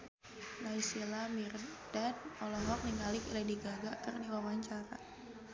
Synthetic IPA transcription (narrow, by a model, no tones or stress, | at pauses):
naisilamird̥ɛd̚ɔlɔɦɔk̚niŋalikilɛdiɡaɡakərdiwawaɲt͡ʃaɾa